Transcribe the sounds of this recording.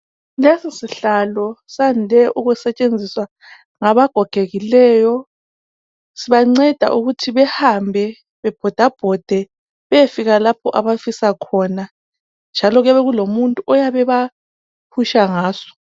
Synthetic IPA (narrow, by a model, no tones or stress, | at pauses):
lesisiɬalɔsandʱɛʔuɣusɛt͡ʃʼend͡zʱiswa | ŋaβaɡ̥ʱɔɡ̥ʱeɣilɛːjɔ | siβaŋ͡ǀɛd̥ʱa̰ʔuɣutʰiβɛhambʱɛ | βɛb̥ʱɔd̥ʱab̥ʱɔd̥ʱɛ | βɛefiɣalapʰɔʔaβafisakʰɔna | nd͡ʒʱalɔɣɛβɛɣulomuntʼuʔɔjaβɛβa | pʰuʃaŋaːsɔ̥